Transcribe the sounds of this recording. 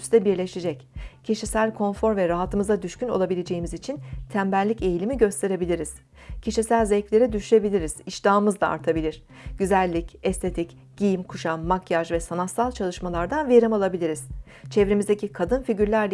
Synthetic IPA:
sd̪ɛbiɾlʲeʃed͡ʒɛccʰiʃisælʲkʰo̞nfo̞ɾvɛɾaɦat̪ʰɯmɯzad̪yʃcyno̞̰lˠabilʲed͡ʒejimizit͡ʃʰint̪ʰæmbælʲːice̞jilʲimiɟø̞st̪ʰe̞ɾe̞bilʲiɾiz̥ | cʰiʃisælʲzɛflʲe̞ɾid̪yʃyʃe̞bilʲiɾiz̥iʃd̪aːmɯzd̪ˠaa̰ɾt̪ʰabilʲiɾ̥ | ɟ̥yzælʲːicɛst̪ʰe̞t̪ʰic | ɟ̥ijimkʰuʃanmakjaʒvɛsanat̪salˠt͡ʃʰalˠɯʃmalˠaɾd̪anveɾimalˠabilʲiɾiz̥ | t͡ʃʰɛvɾimizd̪ecikʰad̪ɯnfiɟyɾlʲæɾlʲ

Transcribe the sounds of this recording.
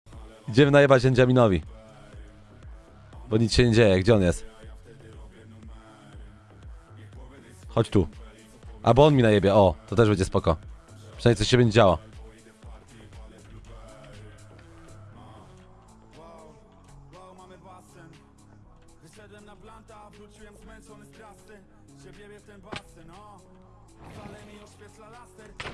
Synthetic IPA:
id͡ʑɛmɘnajɛbad͡ʑɛɲd͡ʑamʲinɔvʲi | bɔɲit̪ɕɛɲɛd͡ʑejɛɡd͡ʑɛɔnjɛst̪ | xɔt͡ɕt̪u | ʔa̰bɔɔnmʲinaɲɛbʲjɛɔt̪ɔt̪ɛʐbɛɲd͡ʑɛspɔkɔpʂnaɲsuɕɛbɛɲd͡ʑed͡ʑawa | w | wwmamvasɛ | vɕɛd̪wɛmnaplant̪avɾut͡ɕiwɛmzmɛnsɔnsɾast̪ɛ | ɕɛbʲjɛbʲjɛft̪ɛpast̪ɛnɔ | lɛmʲiɕpʲɛslalast̪ɛɾ

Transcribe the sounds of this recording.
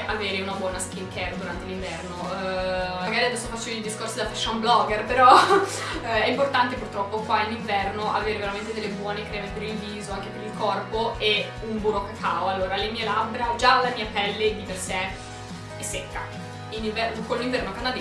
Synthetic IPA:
ʔaveːɾeunabwɔːnaskiŋkɛrd̪uɾant̪eliɱvɛrno | maɡaːɾiad̪ɛsːofat͡ʃːeild̪iskorsid̪afɛʃːaumblɔɡerpeɾɔ | ɛimport̪ant̪epurt̪ɾɔpːokwainiɱvɛrnoʔaveːɾeveɾament̪ed̪elːebwɔːnekɾeːmepeɾilviːzoaŋkepeɾilkɔrpoe | umbuɾokːakʰawalːoːɾalemiːelabɾad͡ʒalːamiːapɛlːed̪ipersɛ | esɛkːa | iniɱvɛrkolːiɱvɛrnokand̪ad̪e

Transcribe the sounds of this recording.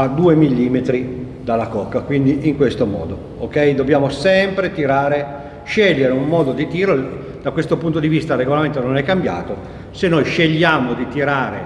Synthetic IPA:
ad̪uːemilːiːmet̪ɾi | d̪alːakɔkːakwind̪iʔiŋkwest̪omɔ̰ːd̪o | okːɛjd̪objaːmosɛmpɾet̪iɾaːɾe | ʃɛʎːeɾeumːɔːd̪od̪it̪iːɾo | d̪akwest̪opunt̪od̪ivist̪areɡolament̪ononɛkːambja̰ːt̪o | senːojʃeʎːaːmod̪it̪iɾaːɾḛ

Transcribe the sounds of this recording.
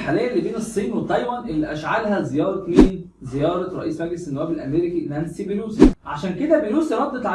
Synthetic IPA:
ħaːlejːæʔelːibeːnesˤːiːnwet̪ˤːɑjwænʔelːiʔæʃʕalhæzejɑːɾˤɑmiːn | zejɑːɾˤɑɾˤɑ̰ʔiːsmæɡlesenːʊwæːbelʔæ̰meɾikinænsibenuːsiʕaʃæːnked̪æbejnuːsjɾˤɑd̪ːˤet̪ˤʕa

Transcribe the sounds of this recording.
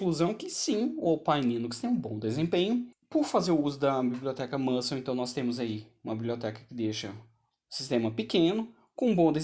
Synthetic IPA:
kluzɐ̃w̃kɪsĩowpajnĩnʊkɪ̥t̪ẽj̃ũbõw̃d̪ezẽmpẽɲʊpʊɾfazeɾʊuzʊd̪ɐbiblʲiot̪ɛkɐmɐ̃sɐw̃ẽt̪ɐ̃w̃nɔst̪ẽmʊzaiũmɐbibliɔt̪ɛkɐ̥kɪd̪eʃɐ | ʊsist̪ẽmɐpɪkẽnʊ | kõũbõd̪e

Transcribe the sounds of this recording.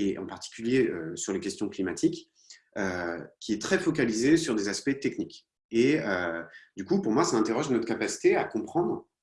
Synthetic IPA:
eʔɑ̰̃paʁt̪i̥kʲyljeøsyʁlekʲɛst̪jɔ̃klimat̪ʰik | økʲiɛt̪χɛfɔk̬alizesyʁd̪ezaspɛt̪ɛknik | eød̪ykupuʁmwasaɛ̃t̪eʁɔʒnɔt̪χəkapasi̥t̪eakɔ̃pχɑ̃d̪ʁ

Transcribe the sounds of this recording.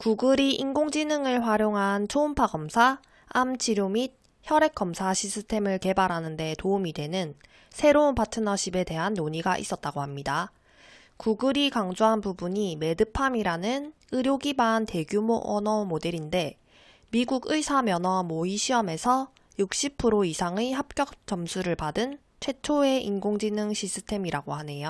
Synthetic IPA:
kuɡɯɾiʔinɡoŋd͡ʑinɯŋɯɭɸwaɾjoŋɦant͡ɕʰoumpʰaɡʌmsʰaː | mt͡ɕʰiɾjomid̚ | çjʌɾe̞k͈ʌmsʰaɕʰisʰɯtʰe̞mɯɭke̞baɾɦanɯnde̞toumide̞nɯn | sʰe̞ɾounpʰatʰɯnʌɕʰibe̞te̞ɦanːoɲiɡaʔḭs͈ʌt̚t͈aɡohamɲida | kuɡɯɾikaŋd͡ʑoɦanpubuɲime̞dɯpʰamiɾanɯn | ɯɾjoɡimante̞ɡjumoʔʌnʌmode̞ɾinde̞ | miɡuɡɯisʰamjʌnʌmoiɕʰiʌme̞sʰʌ | juk̚ɕ͈ipʰɯɾoisʰaŋiɦap̚k͈jʌk̚t͡ɕʌmsʰuɾɯɭpadɯn | t͡ɕʰwe̞t͡ɕʰoe̞ʔinɡoŋd͡ʑinɯŋɕʰis͈ʰɯtʰe̞miɾaɡohane̞jo

